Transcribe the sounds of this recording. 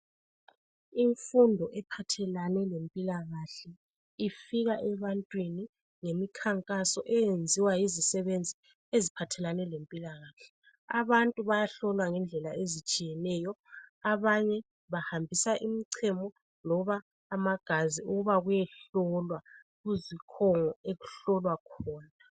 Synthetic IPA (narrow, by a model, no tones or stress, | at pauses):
iɱfundʱɔʔɛpʰatʰɛlanɛlempʼilaɣaɬɛ | ifiɣaʔɛβantʼwini | ŋemikʰaŋkʼasɔʔɛjend͡zʱiwajizisɛβend͡zʱi | ezipʰatʰɛlanɛlempʼilaɣaɬɛ̥ | aβantʼuβajaɬɔlwaŋɛnd͡ɮʱɛlaezit͡ʃʼijɛnɛjɔaβaɲɛ | βahambʱisaʔimiǀʰɛmɔ | lɔβaː | maɡ̥ʱaziuɣuβaɣujɛɬɔlwa | ɣuzikʰɔŋɔeɣu̥ɬɔlwakʰɔːna